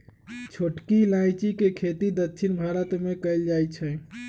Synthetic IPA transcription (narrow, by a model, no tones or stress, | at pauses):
t͡ʃʰoʈkilajt͡ʃikekʰet̪id̪ətːt͡ʃʰinbʱaɾət̪mekəɪld͡ʒajt͡ʃʰɛ